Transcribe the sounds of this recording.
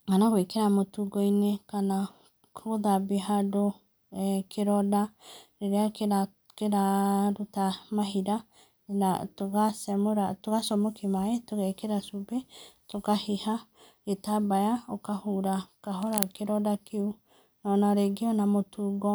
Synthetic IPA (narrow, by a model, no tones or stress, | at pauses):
kanakwekeɾamotuɡɔinekana | kʰoðabeɦado | ɛkeɾɔdaɾeɾeaka | keɾaɾutamaɦiɾa | natoɣasɛmoɾatoɣasɔmɔkimaetoɣakeɾasubetokahiha | etabajaokahuɾakaɦɔɾakeɾɔdakeu | nɔnaɾeɡeɔnamotuːɡɔ